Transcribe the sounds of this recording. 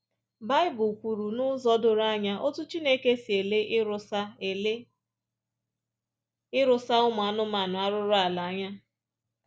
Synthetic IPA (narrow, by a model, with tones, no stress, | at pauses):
ba˦ɪ˦bʊ˨kʷu˨ɾu˨nʊ˦zɔ˦dʊ˨ɾa˦ɲa˦ʔo˦tu˦t͡ʃi˦ne˦ke˦si˨e˨le˦ | ɪ˦ɾʊ˨sa˦ʊ˦mʊ˨a˨nʊ˦ma˨nʊ˨a˦ɾʊ˦ɾʊ˦a˨la˨a˦ɲa˦